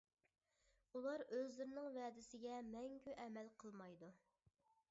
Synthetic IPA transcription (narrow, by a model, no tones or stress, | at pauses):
ulˠɑɾøzlɪɾɪnɪŋvɛːd̪ɪsɪɡʲɛmɛŋkʲyʔɛmɛlqʰəlˠmɑjd̪u